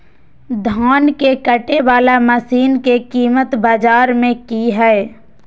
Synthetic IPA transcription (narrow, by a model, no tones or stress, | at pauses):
d̪ʱaːnkekəʈeʋaːlaməsiːnkekiːmət̪baːd͡ʒaːɾmẽkiɦɛe